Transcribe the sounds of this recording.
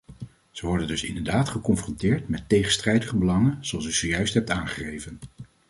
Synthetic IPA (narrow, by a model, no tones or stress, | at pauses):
z̥əʋɔɹdəndɵsɪ̰ndəɹdaːtχəkɔnfrɔntɪːɹtmɛtːejχənstrɛjdəχəbəlɑŋənzoɑlˠsyzəjœɥstɦɛp̚taːnχə̥χejvən